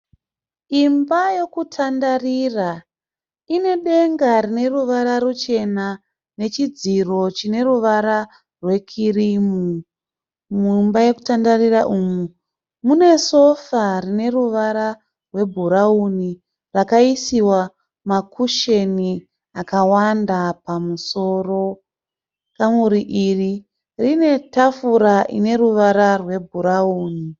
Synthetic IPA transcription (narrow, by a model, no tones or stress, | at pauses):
imbajo̞kutʰandarira | ine̞ɗe̞ŋɡaɾine̞ruʋaɾarut͡ʃe̞na | ne̞t͡ʃid͡ziro̞t͡ʃine̞ruʋaɾa | rwe̞kʰirimu | mumbaje̞ku̥tandariraʔuːmu | mune̞so̞farine̞ruʋaɾa | rwe̞bʱuɾauni | rakaisiwa | makʰuʃe̞ni | akawandapamuso̞ro̞ | kamuɾiʔiri | rine̞tafuɾaʔḭne̞ɾuʋaɾarwe̞bʱuɾauːni